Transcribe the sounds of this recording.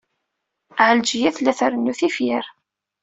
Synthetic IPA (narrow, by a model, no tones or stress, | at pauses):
ʕəld͡ʒijæθlæθəɾənːuθifjɪɾ